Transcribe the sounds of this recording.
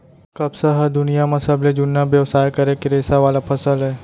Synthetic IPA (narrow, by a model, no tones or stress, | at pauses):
kɐbsəɦəd̪ʊnijamɐsəbled͡ʒʊnːabjɐʋsaːjkɐɾekɪɾeːsaʋaːlapʰɐsəlɦɛː